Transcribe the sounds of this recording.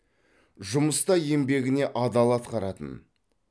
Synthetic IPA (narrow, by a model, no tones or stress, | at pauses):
ʒʊməst̪ɑje̞mbe̞ɡʲɪne̞ʔɑd̪ɑlˠɑt̪qʰɑɾɑt̪ə̰n